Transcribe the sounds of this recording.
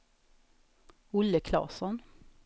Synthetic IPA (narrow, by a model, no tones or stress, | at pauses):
ʊlːəkʰlɑ̰ːsɔn